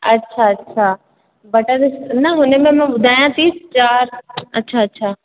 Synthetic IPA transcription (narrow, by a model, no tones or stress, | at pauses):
ɐtːʃʰaɐtːʃʰaː | bɐʈaɾɪsnɐɦʊnemẽmɛ̃ɓʊd̪ʱaːjãt̪iːst͡ʃaːɾɐtːʃʰaɐtːʃʰaː